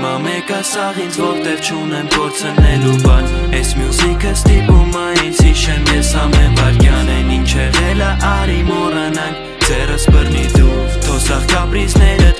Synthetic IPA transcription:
mɑmɛkɑsɑʁit͡sʰvɔɾt̪ɛvt͡ʃʰunɛnpʰɔɾt͡sʰənɛlubɑnɛjsmjuzikʰəst̪ipumɑisiʃɛmjɛsɑmɛnvɑɾkjɑnɛjnint͡ʃʰɛʁɛləʔɑɾimɔrɑnɑŋkʰ | d͡zɛrəsbərnid̪ut̪ʰɔsɑʁkɑpɾiznɛɾə

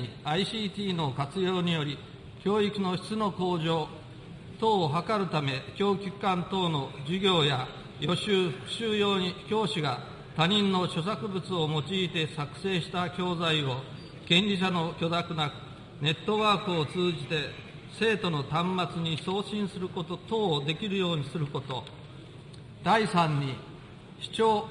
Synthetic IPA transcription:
iaiɕiːt̪ʲiːno̞kat͡sɨjo̞ːɲ̟ijo̞ɾʲi | kʲo̞ːikino̞çi̥t͡sɨno̞ko̞ːʑo̞ː | t̪o̞ːɦakaɾɯ̟t̪ame̞kʲo̞ːkʲikːãnt̪o̞ːno̞d͡ʑiɡʲo̞ːja | jo̞ɕɨːɸɯ̥kɯ̟̥ɕɨːjoːikʲo̞ːɕiɡa | t̪aɲ̟ĩnːo̞ɕo̞s̬akɯ̟bɯ̟t͡sɨo̞mo̞t͡ɕiːt̪e̞sakɯ̥se̞ːɕi̥t̪akʲo̞ːzaio̞ | kẽ̞ɲʲd͡ʑiɕano̞kʲo̞d̪akɯ̟nakɯ̟̥ | ne̞t̪ːo̞βaːkɯot͡sɨːʑit̪e̞ | se̞ːt̪o̞no̞t̪ãmːat͡sɨɲ̟iso̞ːɕĩɰ̃sɨɾɯkoot̪o̞ːd̪e̞kʲiɾɯ̟jo̞ːɲ̟isɨɾɯ̟ko̞t̪o̞ | d̪̥aisãɲ̟ːi | ɕi̥t͡ɕoː

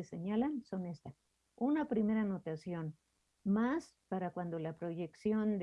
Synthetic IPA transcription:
eseɲalansonest̪a | unapɾimeɾanot̪asjon | mas | paɾakwand̪olapɾoʝeksjond̪

